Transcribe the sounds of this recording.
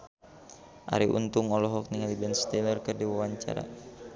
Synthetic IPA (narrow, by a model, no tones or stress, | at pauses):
ʔa̰ɾiʔṵnt̪uŋɔlɔɦɔk̚niŋalibɛnst̪ilərkərdiwawaɲt͡ʃa̰ɾa̰